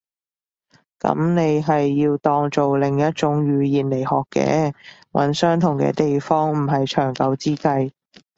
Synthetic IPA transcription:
kɐ̰˨˥mne˨˧jɦɐ˨jːiː˧wt̪ɔː˧ŋt͡so˨wlɪ˨˩ŋjɐ˥t̚t͡sʊ˨˥ŋɥyː˨˧jiː˨nle˨˩jhɔː˨kːɛ̰ː˨˥wʔɐ̰˨˥nsœː˥ŋt̪ʰʊ˨˩ŋkɛ̰ː˧t̪e˨jfɔː˥ŋm̩˨˩ɦɐ˨jt͡ʃʰœː˨˩ŋkɐ˧wt͡siː˥kɐ˧j

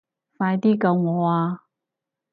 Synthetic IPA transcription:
faː˧jt̪iː˥kɐ˧wŋɔː˨˦˧aː˧

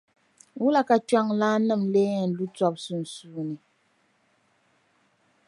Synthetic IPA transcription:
wu˦la˨ka˨t͡ʃa˦ŋlaː˦nɨ˦˨mle˦jɛ˨n̩˨lu˦t͡swa˦p̚su˨n̩˨su˨˦ni˨

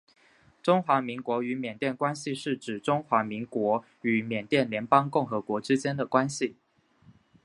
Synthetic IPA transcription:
ʈ͡ʂʊ˥ŋxwa˧˥mi˧˥ŋkwɔ˧˥y˧˥mjɛ˨˩nt̪jɛ˥˩nkwa˥nɕi˨ʂɻ̩˥˩ʈ͡ʂɻ̩˨˩ʈ͡ʂʊ˥ŋxwa˧˥mi˧˥ŋkwɔ˧˥ | y˧˥mjɛ˨˩nt̪jɛ˥˩nljɛ˧˥npɑ˥ŋkʊ˥˩ŋxɤ˧˥kwɔ˧˥ʈ͡ʂɻ̩˥t͡ɕjɛ˥nd̪ə˨kwa˥nɕi˨

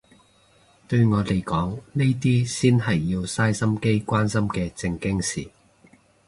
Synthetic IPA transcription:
t̪ɵ˧ɥŋɔː˨˧t̪e˨˩jkɔː˨˥ŋne˥jt̪̬iː˥siː˥nɦɐ˨jːiː˧wsaː˥jsɐ˥mke˥jkʷwaː˥nsɐ˥mkɛː˧t͡sɪ˧ŋkɪ˥ŋsiː˨˩

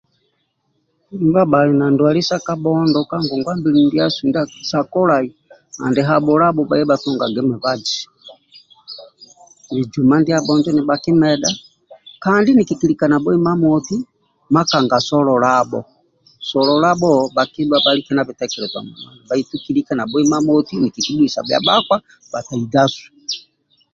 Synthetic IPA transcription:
imba˦ba˨lɛnandwa˨li˦sa˦ka˦bɔndɔka˦ŋɡɔ˨ŋɡwa˦mbi˦lindi˦a˦sundsa˨kɔ˦lai | ha̰˨ndɛɦa˨bɔ˨la˦bɔba˨jɛ˦batɔŋɡaɡɛ˦mɛ˨βad͡ʒi̥˨ | ni˨d͡ʒu˨ma˦ndi˦a˦bɔnd͡ʒɔ˦ni˨baki˦mɛɗa | kandi˦niki˨ki˨li˨ka˨na˨bɔ˦i˦ma˦mɔti˦ | ma˦ka˨ŋɡa˨sɔ˦lɔ˨labɔ̰˨ | sɔ˨lɔlabɔbaki˦lwabali˦kɛ˦na˨βi˨tɛkɛ˨lɛ˨zwa̰˨mṵ˨ma˨ni˨ba˨i˦tu˦ki˦likana˨bɔ˦i˦ma˦mɔti˦ni˨ki˨ki˦bu˦i˨sa̰˨bja̰˨bakwa | ba˨ta˨i˨da˦su̥˨

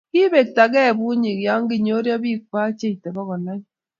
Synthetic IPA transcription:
ki˦be˨k̚ta˨k̬ɛ˦˨bu˦ɲɪ˨kja˦ŋɡɪ˨ɲo˦ɾjɔ˦bi˦˨k̚wa˦t͡ʃe˦i˨te˨bɔ˦kɔ˨na˦ɲ˦

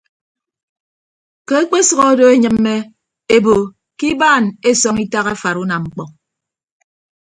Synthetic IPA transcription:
ke˦e˦k͡pe˦sɔ˦ɣɔ˦o˦do˦e˦ɲɨ˨mːe˦ | e˦bo˨ | ki˦baː˦˨ne˦sɔ˦ŋi˦ta˦ɣa˦fa˨ɾu˦na˨ŋ͡m̩˦k͡pɔ˨

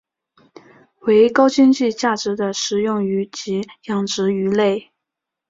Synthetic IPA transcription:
we˧˥ɪkɑ˥ʊt͡ɕi˥ŋt͡ɕi˥˧t͡ɕja˥˩ʈ͡ʂɻ̩˧˥d̪ə˧ʂɻ̩˧˥jʊ˥˩ŋy˧˥t͡ɕi˧˥jɑ˨˩ŋʈ͡ʂɻ̩˧˥y˧˥le˥˩ɪ

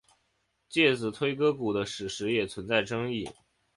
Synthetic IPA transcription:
t͡ɕjɛ˥˩t͡sɹ̩˨˩t̪ʰwe˥ɪkɤ˥ku˨˩d̪ə˦ʂɻ̩˨˩ʂɻ̩˧˥jɛ˨˩t͡sʰwə˧˥nt͡sa˥˩ɪʈ͡ʂɤ˥ŋi˥˩

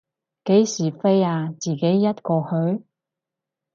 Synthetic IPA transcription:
ke˨˥jsiː˨˩fe˥jaː˧t͡siː˨ke˨˥jːɐ˥t̚kɔː˧hɵ˨˥ɥ

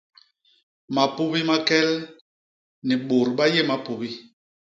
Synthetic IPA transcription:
ma˨pu˦bi˦ma˦kɛ˦l | ni˨ɓo˨ɾɓa˦je˦˨ma˦pu˨bi˦

